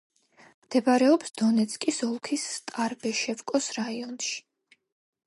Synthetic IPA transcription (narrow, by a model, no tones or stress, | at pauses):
md̪̥ɛbaɾɛɔpsd̪̥ɔnɛt̪sʰkʼisɔlˠkʰisːt̪ʼaɾbɛʃɛvkʼɔsɾaiɔnʃi̥